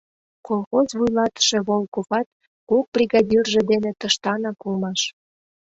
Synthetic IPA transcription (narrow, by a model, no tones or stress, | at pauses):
kolˠxozβujlɑt̪ə̥ʃe̽βolˠkoβɑt̪̚ | kuk̚brʲiɣɑdʲirʒed̪enet̪əʃt̪ɑnɑkulmɑʃ